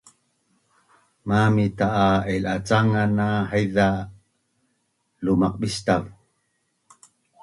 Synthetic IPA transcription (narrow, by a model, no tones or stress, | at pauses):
mamit̪aʔaelat͡saŋanahajða | lumaq̚ɓist̪av